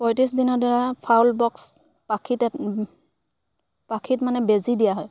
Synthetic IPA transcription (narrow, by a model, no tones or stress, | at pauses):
pɔjtisdinɔdaɹapʰawlbɔks | pakʰit | pakʰitmanɛbezidijaɦɔj